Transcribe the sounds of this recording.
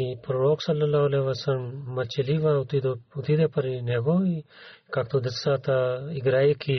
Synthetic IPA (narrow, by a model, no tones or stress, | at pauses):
ipɾoɾoːksɐlːɐlaɦleʋɐsɐɾmːɐt͡ʃeliʋat̪id̪ut̪id̪epɐɾineɡoːi | kakt̪ud̪ɪsaːt̪aiɡɾaːjikʰi